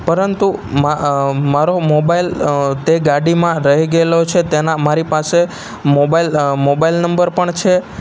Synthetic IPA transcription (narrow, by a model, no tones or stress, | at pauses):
pəɾənt̪umamaɾomobailt̪eɡaɽimãɾəɦiɡelot͡ʃʰet̪enamaɾipase | mobailmobailnəmbəɾpəɳt͡ʃʰe